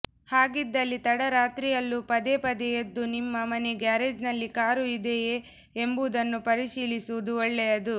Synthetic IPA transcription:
haːɡid̪ːɐlːit̪ɐɽɐɾaːt̪ɾijɐlːupɐd̪epɐd̪ɛjed̪ːunimːɐmɐneɡaːɾed͡ʒnɐlːikaːɾuid̪ejeː | embud̪ɐnːupɐɾiʃiːlisuʋud̪uɔɭːɛjɐd̪u

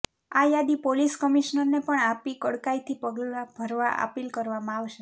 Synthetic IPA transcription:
ajad̪ipoliskəmiʃnəɾnepəɳapikəɽkait̪ʰipəɡlab̥ʱəɾʋaʔə̰pilkəɾʋamãaʋʃe

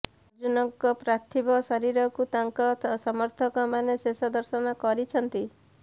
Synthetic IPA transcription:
d͡ʒunɔŋkɔpɾat̪ʰibɔsɔɾiɾɔkut̪aŋkɔsɔmɔɾt̪ʰɔkɔmanesesɔd̪ɔɾsɔnɔkɔɾit͡ʃʰɔnt̪i

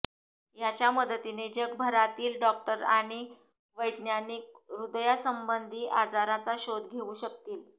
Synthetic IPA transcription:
jat͡ɕjaməd̪ət̪ined͡ʑəɡbʱəɾat̪iːlɖɔk̚ʈəɾaɽ̃i | ʋəjd̪njanik̚ɾud̪jasəmbənd̪ʱiːʔad͡zaɾat͡saɕod̪ɡʱeuːɕəkt̪iːl

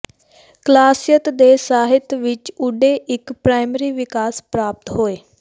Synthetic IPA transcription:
klaːsɪjət̪d̪eːsaːɦɪt̪ʋɪt͡ʃʊɖeːʔɪkpɾaːɪməɾiːʋɪkaːspɾaːp̚t̪ɦoːeː

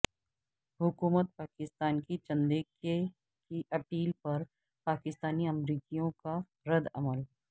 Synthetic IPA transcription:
ɦʊkuːmət̪̚paːkɪst̪aːnkit͡ʃɐ̃nd̪eːke | kiʔɐpiːlpɐɾ | paːkɪst̪aːniɐmɾiːkijõka | ɾɐd̪ɐ̰məl

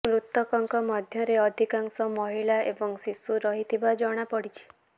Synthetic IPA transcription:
mɾut̪ːɔkɔŋkɔmɔd̪ʱjɔɾeɔd̪ʱikaŋsɔmɔɦiɭaʔebɔŋsisuɾɔɦit̪ʰibad͡ʒɔɽ̃apɔɽit͡ʃʰi̥

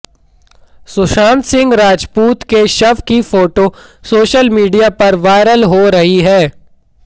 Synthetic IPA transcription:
sʊʃãːnt̪sɪ̃ŋɡɾaːd͡ʒpuːt̪keʃɐʋkifoːʈosoːʃəlmiːɖijapɐɾʋaːɪɾəlɦoɾɐɦiɦɛː

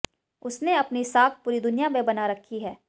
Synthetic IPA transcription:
ʊsneɐpnisaːk̚ʰpuːɾid̪ʊnijamẽbɐnaɾɐkʰːiɦɛː

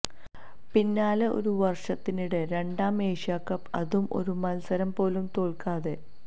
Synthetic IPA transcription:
pinːaːleo̰ɾuʋɐrʂɐt̪ːiniɽeɾe̞ɳɖaːmeːʂjaːkːɐpːɐ̰ðumʔo̞̰ɾumɐlsɐɾɐmpo̞ːlumt̪o̞ːɭkaːðe

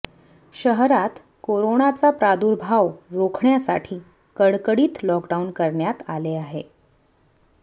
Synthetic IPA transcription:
ɕəɦɾat̪ | koɾoɳat͡sapɾad̪uɾbʱawɾokʰɳjasa̰ʈʰiː | kəɽkəɽiːt̪lɔkɖaunkəɾɳjat̪aleaɦe

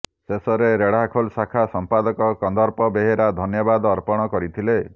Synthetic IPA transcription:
sesɔɾeɾeɽ̤akʰolsakʰasɔmpad̪ɔkɔkɔnd̪ɔɾpɔbeɦeɾad̪ʱɔnjɔbad̪ɔɾpɔɽ̃ɔkɔɾit̪ʰile

